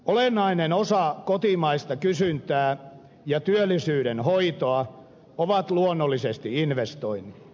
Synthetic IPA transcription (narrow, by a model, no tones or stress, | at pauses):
olenːˑɑinenosɑkot̪imɑist̪ɑkysynt̪æː | jɑt̪yølːˑisyːɾenhoit̪oɑ | oʋɑt̪luonːolːisest̪iinʋest̪oinːi